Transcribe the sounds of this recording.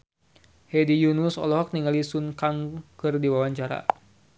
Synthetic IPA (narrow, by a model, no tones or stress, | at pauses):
hɛdijunusɔ̰lɔɦɔk̚niŋalisunkaŋkɨrdiwawaɲt͡ʃaɾa̰